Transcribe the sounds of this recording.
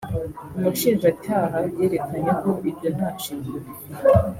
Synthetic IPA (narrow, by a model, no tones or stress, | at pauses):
umuʃiːnʒacaːɦaje̞ːɾe̞kʰaɲeko̞ʔibjo̞n̥haʃiːŋuɾi